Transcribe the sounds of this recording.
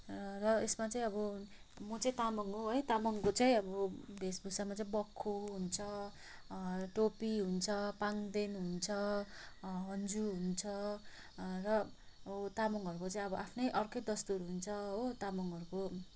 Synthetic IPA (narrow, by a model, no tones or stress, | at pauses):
rʌesmat͡saĩʌbʌmʌt͡saĩt̪amʌŋoɦʌjt̪amʌŋkot͡saĩʌbʌbʱesbʱusamat͡saĩbʌkʰːuɦunt͡sʰʌ | ʈopiɦunt͡sʰʌpaŋd̪enɦunt͡sʰʌ | ɦʌnd͡zurɦunt͡sʰʌ | rʌ | t̪amʌŋɦʌɾukot͡saĩʌbʌʔapʰnʌjʔʌrkʌjd̪ʌst̪uɾɦunt͡sʰʌɦot̪amʌŋɦʌɾuko